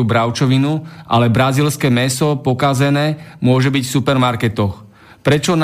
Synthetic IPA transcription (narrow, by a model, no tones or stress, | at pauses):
ubɾaʊt͡ʃɔʋinuʔa̰lɛbɾaziːlskɛːmɛsɔpɔkazɛnɛːmʊɔʒɛbicfsupɛɾmaɾkɛt̪ɔx | pɾɛt͡ʃɔn